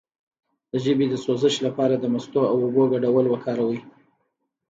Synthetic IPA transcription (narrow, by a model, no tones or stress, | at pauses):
d̪̥əʒəbed̪əsozəʃlapɑɾad̪əmast̪oawʊboɡaɖawəlwakʰɑɾawi